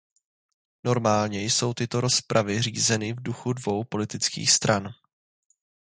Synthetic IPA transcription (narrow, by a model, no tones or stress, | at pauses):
no̞ɾmaːlɲɛjso̞wt̪ɪt̪o̞ɾo̞spɾʔavɪriːzɛnɪvduxudvo̞wpo̞lɪt̪ɪt͡skḭːxst̪ɾʔan